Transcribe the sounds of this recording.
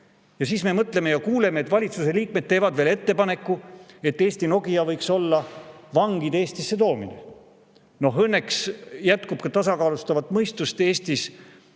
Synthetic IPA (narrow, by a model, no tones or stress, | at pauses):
jɑsiːsme̞mɤt̪le̞me̞jɑkuːlemeːt̪ːˑvɑlʲit̪suse̞liːk̚me̞d̪̥̚t̪ːeːvɑd̪ve̞ːle̞t̪ːe̞pɑne̞kːue̞t̪ːeːsʲt̪ino̞ɡijɑvɤjkso̞lːɑvɑŋɡid̪e̞ːst̪isːe̞t̪o̞ːmḭnḛ | no̞ɦɤnːe̞ksjæt̪ˑkub̥kɑt̪ɑsɑkɑːlust̪ɑvɑt̪ːˑmɤjst̪ust̪e̞ːst̪is